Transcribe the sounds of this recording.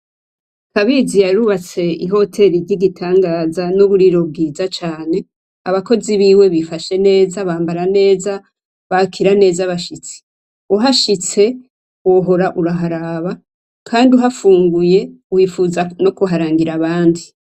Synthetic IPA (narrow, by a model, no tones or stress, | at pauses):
kaβizijaɾuβat͡se̞iɦo̞tʰe̞ɾiɾɟiɡitʰaːŋɡaːzanoβuɾiɾo̞b̚ɡiːzat͡ʃaːne̞ | aβako̞ziβiːwe̞βifaʃe̞ne̞ːzaβaːmbaɾane̞ːza | βakʰiɾane̞ːzaβaʃit͡si̥ | uɦaʃit͡se̞ | oɦo̞ɾaʔuɾaɦaɾaβa | kʰaːndiuɦafuːŋɡuje̞uwiːfuzano̞kuɦaɾaːŋɡiɾaβaːndi